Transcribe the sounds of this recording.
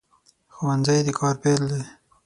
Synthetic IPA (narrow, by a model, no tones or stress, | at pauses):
xowanzajd̪əkʰɑɾpeld̪e